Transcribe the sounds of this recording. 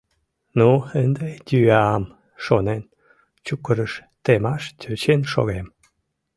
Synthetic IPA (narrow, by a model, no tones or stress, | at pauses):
nuənd̪ed̪ʲyɑm | ʃonen | t͡ɕukəɾəʃ | t̪emɑʃt̪ʰʲøt͡ɕenʃo̰ɣem